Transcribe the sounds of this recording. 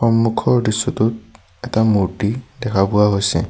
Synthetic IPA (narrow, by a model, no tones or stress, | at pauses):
xɔmːukʰɔɹdisːɔtʊt̚ | ɛtamutidɛkʰabʊwaɦojsɛ